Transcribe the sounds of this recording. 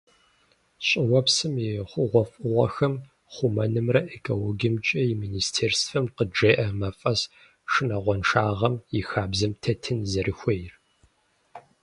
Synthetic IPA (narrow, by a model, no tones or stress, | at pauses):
ɕʼɪwɔpsɨmɪχʷʊʁʷɔfʼɨʁʷɔxɐm | χʷumɐnɨmrɐʔekʰʼowoɡʲɪmt͡ʃʼɐjɪmiːnistʰeːrsfɐmqəd͡ʒeːʔɐmɐfʼɐs | ʂɨnɐʁʷɔnʂaːʁɐmjɪxaːbzɨmtʰɐtʰɨnzɐɾʔɨxʷejr